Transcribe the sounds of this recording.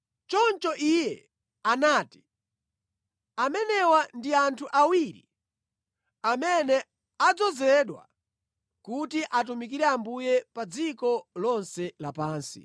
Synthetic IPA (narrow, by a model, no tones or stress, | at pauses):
t͡ʃɔnt͡ʃɔʔijɛ | anaːti̥ | amɛnɛwandiantʰuʔawiɾḭ | amɛnɛ | ad͡zɔzɛɗwa̰ | kutiʔat̬umik̬iɾɛambujɛpad͡zikɔlɔnsɛlapaːnsḭ